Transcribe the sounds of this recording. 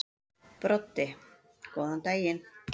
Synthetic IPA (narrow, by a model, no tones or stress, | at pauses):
pɾot̪ːe | koont̪ajen